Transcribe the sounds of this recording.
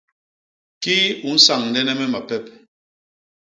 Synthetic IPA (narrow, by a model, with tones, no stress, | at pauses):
ki˦u˨n̩˦sa˨ŋn̩˨dɛ˦nɛ˦mɛ˦ma˨pɛ˦p̚